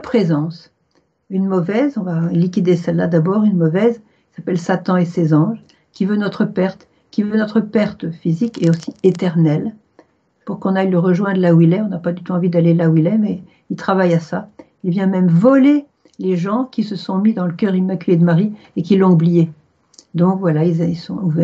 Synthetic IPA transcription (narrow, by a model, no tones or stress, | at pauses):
pχezɑ̃s | ynmɔvɛzɔ̃valik̬ʲid̪esɛlːa̰d̪abɔːʁynmɔvɛz | kʲi̥sapɛlsat̪ɑ̃esezɑ̃ʒ | kʲivønɔt̪χəpɛʁt̪ | kʲivønɔt̪χəpɛʁt̪fizikeosiet̪ɛʁnɛl | puʁkɔ̃najləʁəʒwɛ̃d̪əlawilɛɔ̃napad̪yt̪uɑ̃vid̪alelawilɛmɛ | ilt̪χavajasa | ilvjɛ̃mɛmvɔle | leʒɑ̃kʲisəsɔ̃mid̪ɑ̃ləkʲœʁimakʲyled̪əmaʁi | ek̬ʲilːɔ̃ublije | d̪ɔ̃kvwalailzilsɔ̃uvɛ